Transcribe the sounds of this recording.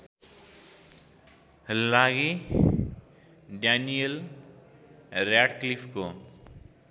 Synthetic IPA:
həlːaːɡe | ɖanijəl | ɾaːʈklifko

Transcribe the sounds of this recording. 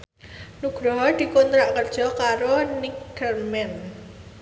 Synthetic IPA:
nuɡ̥ɾɔɦɔd̪̥i̤kɔnt̪ɾaʔkərd̥ʒ̥ɔ̤kaɾonikərmɛn

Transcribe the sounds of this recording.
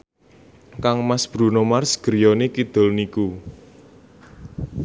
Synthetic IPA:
kaŋmasb̥ɾṳnɔmarsɡ̥əɾjɔnekid̪̥ɔ̤lniku

